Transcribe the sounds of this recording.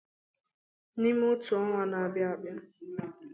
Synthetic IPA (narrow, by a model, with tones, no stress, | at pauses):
ni˦m˦ʊ˦tʊ˨ɔ˦ŋʷa˦na˨a˨bja˦a˨bja˦